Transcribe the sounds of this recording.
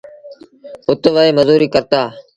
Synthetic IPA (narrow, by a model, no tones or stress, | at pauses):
ʊt̪ʋəːeːməzuːɾiːkəɾt̪aː